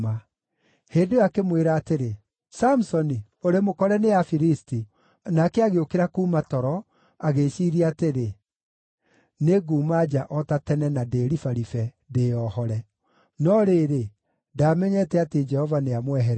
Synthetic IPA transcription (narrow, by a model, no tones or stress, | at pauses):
a | heːndeakemweɾaːteɾe | samusɔni | oɾemokɔɾɛneafiɾisti | nakɛaɣeokeɾakuːmatɔɾɔ | aɣeʃiɾiateɾe | neɡuːmad͡ʒaʔɔtatɛnɛnadeɾifaɾifɛ | deɔhɔɾɛ | nɔɾeɾe | daːmɛɲɛtɛated͡ʒɛhɔvaneamwɛɦɛɾɛ